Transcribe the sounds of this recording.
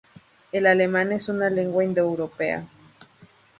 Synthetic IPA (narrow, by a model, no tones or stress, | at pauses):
elalemanesunaleŋɡwaind̪eewɾopea̰